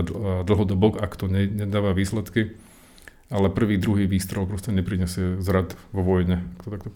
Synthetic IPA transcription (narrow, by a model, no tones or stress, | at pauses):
d̪l̩ˠɦɔd̪ɔbɔkakt̪ɔɲɛɲɛd̪aːʋaʋiːslɛt̪ki | alɛpr̩ʋiːd̪ɾuɦiːʋiːst̪ɾɛʊpɾɔscɛɲɛpɾiɲɛsɪɛzɾat̪ʋɔʋɔjɲɛakt̪ɔt̪akt̪ɔ